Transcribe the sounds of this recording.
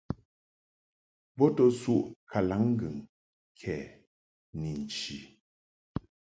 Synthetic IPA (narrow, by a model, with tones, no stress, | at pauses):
bɔ˦tɔ˦su˦˨ʔkʰa˨la˨˦ŋ̩˦ɡɯ˨ŋ | kʰɛ˨ | ni˨n̩˨t͡ʃi˨